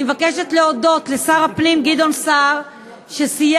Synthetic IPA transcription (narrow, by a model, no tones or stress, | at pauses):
evakeʃetleodo̞tle̞saʁapnimɡid̪o̞nsaʁ | ʃesij